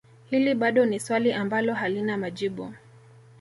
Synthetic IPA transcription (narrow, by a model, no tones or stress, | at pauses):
hiliɓaɗɔniswaliʔambalɔɦalinamaʄiɓu